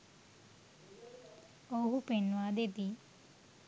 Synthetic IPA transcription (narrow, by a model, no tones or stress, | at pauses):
oɦupenuaːd̪ed̪i